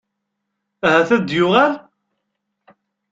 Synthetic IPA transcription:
æhæθæd̪jʊʁæɾ

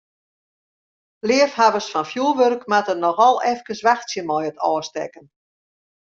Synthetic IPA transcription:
lɪəfhavəsfɔnfjuəlˠʋørkmatənɔxɔlˠɛfkəsʋaxtsjəmɔjətʰɔːstɛ̰kən

